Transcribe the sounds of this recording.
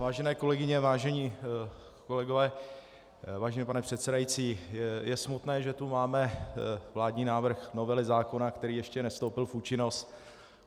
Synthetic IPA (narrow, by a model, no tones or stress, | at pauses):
vaːʒɛnɛːko̞lɛɡɪɲɛvaːʒɛɲiː | ko̞lɛɡo̞vɛː | vaːʒɛniːpanɛpr̥ɛt̪sɛdajit͡siːjɛsmut̪nɛːʒɛt̪umaːmɛvlaːdɲiːnaːvr̩xno̞vɛlɪzaːko̞nakt̪ɛɾiːjɛʃcɛnɛst̪owpɪlfuːt͡ʃɪno̞st̪